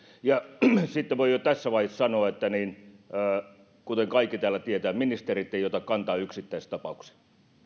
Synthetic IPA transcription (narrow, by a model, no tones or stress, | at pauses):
jɑsit̪ːeʋoijot̪æsːæʋɑhissɑnoɑet̪ːæniːnː | kut̪eŋkɑikːit̪æːlˑæt̪iet̪æːminist̪erit̪ːeiot̪ɑkkɑnt̪ɑːyksit̪ːæist̪ɑpɑuksi̥